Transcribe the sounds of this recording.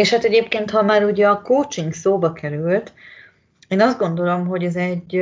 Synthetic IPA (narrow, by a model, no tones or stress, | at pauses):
eːʃhaːt̪ɛɟeːpkeːnt̪hɒmaːɾuɟɛɒkoːt͡ʃiŋɡsoːbɒkɛɾylt̪ | eːnɒzd̪ɡo̞nd̪o̞lo̞mɦo̞ɟɛzɛɟ